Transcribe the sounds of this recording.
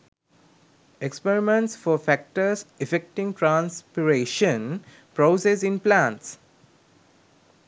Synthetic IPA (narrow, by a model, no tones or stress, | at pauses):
ekspeɾimẽɳʈsfɔfæk̚ʈəɾsefek̚ʈĩŋʈɾãːnspiɾeːʃə̃n | pɾoːsesĩnplãːnʈs